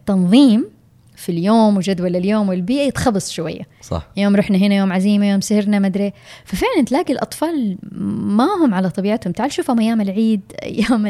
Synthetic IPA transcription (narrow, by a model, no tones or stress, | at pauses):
t̪ːɑnðˤiːm | filjoːmwɪd͡ʒad̪walɪljoːmwɪlbiːʔajɪt̪xɑbɨsˤʃʊwa̰jːasɑ̰ħjoːmɾˤuħnaɦɪnajoːmʕaziːmajoːmsɪhɪɾnamad̪ɾeːfafɪʕlant̪laːɡilʔɑ̰t̪ˤfɑːl | mahʊmʕalat̪ˤɑbiːʕat̪hʊmt̪aʕalʃuːfamajːaːmɪlʕiːd̪ʔa̰jːaːm